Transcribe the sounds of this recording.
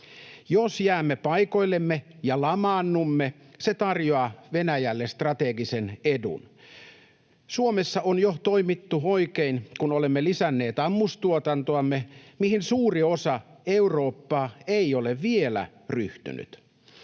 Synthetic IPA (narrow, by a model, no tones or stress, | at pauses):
josjæːmːepɑjko̞ilːemːejɑlɑmɑnːumːe | set̪ɑrjoɑʋenæjælːest̪rɑt̪eɡisenedṵn | suomesːɑʔonjot̪oimit̪ːuoikeinkunolemːelisænːe̞ːt̪ɑmːust̪uot̪ɑnt̪oɑmːemihinsuːriosɑeuro̞ːpːɑːeioleʋʋielæ̰ | ryht̪y̰ny̰t̪